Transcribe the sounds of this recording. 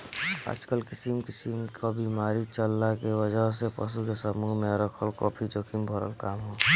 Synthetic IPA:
a̰ːd͡ʒkəlkɪsimkɪsimkʰabiːmaːɾit͡ʃəlːakeʋəd͡ʒəɦs̬epə̰sukesəmuːɦmẽɾəkʰəlkɔ̰ːpʰid͡ʒokʰimbʱəɾə̰lkaːmɦoː

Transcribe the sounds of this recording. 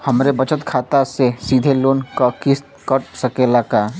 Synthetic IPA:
hɐmɾebət͡ʃət̪kʰaːt̪asesiːd̪ʱeloːnkakɪst̪kəʈsɐkeːlaːka

